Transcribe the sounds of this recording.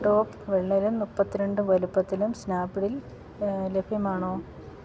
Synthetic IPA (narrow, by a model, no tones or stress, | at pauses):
ɖoːpː | ʋeɭːɐlumupːɐt̪ːiɾeɳɖɨʋɐlupːɐt̪ːilumsnaːbiɽil | lebʱjɐmaːɳoː